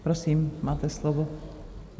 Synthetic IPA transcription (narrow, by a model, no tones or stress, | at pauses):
pɾosiːmmaːt̪ɛslovo